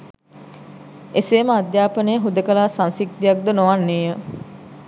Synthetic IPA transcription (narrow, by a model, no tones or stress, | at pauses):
eseːməad̪jaːpənəjəɦud̪əkəlaːsansik̚t̪ijak̚d̪ənoʋanːeːjə